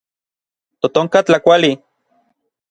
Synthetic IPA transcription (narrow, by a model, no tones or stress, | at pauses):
t̪ot̪oŋkat͡ɬakʷali